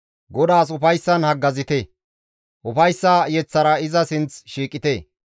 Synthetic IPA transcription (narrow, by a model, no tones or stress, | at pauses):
ɡɔd̪aːs̬ʊfɐjsːɐnhɐɡːɐzɪt̪ɛ | ʔʊfɐjsːaːjɛt͡sːɐɾɐɪzɐsɪnt͡sʃiːkʼɪt̪eː